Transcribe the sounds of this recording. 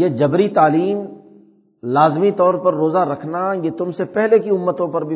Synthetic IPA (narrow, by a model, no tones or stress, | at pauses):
jeːd͡ʒɐbɾit̪aːliːm | laːzmit̪ɔːɾpɐɾːoːzaɾɐkʰnajet̪ʊmsepɛɦlekiʊmːət̪õpɐɾbʱi